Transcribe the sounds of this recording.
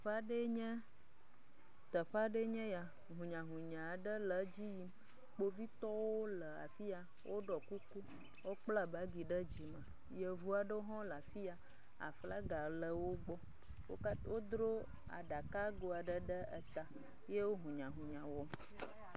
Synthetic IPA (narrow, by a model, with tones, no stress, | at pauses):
ɸa˦ɖə˦ɲə̃˦ | t̪ə˨ɸa˦ɖə˦ɲɛ̃˦ja˨ | ɦũ˨ɲã˨ɦũ˨ɲã˨ɖə˦lə˨d͡ʑi˦ji˦m | k͡po˦vi˦t̪ɔ˦wo˦lə˨a̰˨fi˦a˨ | wʔo˦ɖɔ˨ku˦ku˦ | wo˦k͡pla˦ba˦ɡi˨ɖə˦d͡ʑi˨mə˨ | jə˨vu˦a˨ɖə˦wo˦ɦɔ̃˦la˨fi˦a˨ | a̰˨fla˦ɡa˨lə˨wo˦ɡ͡bɔ˦ | wo̰˦wo˦d̪ɾo˦ | a̰˨ɖa˨ka˦ɡo˨a˨ɖə˦ɖə˦ə̰˨t̪a˨ | je˦wo˦ɦũ˨ɲã˨ɦũ˨ɲã˨wɔ˨m